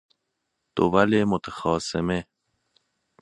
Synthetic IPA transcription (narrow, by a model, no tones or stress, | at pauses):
d̪̥o̰valemot̪ʰaxɒːseme